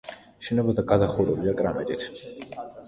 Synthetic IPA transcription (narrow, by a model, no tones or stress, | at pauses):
ʃɛnɛbɔd̪aɡad̪aχuɾɛbid̪akʼɾamɛ̰t̪ʼit̪ʰ